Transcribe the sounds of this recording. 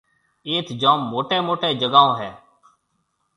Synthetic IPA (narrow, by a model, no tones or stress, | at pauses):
eːt̪ʰd͡ʒãːmːoːʈeːmoːʈeːd͡ʒəɡaːõːɦɛː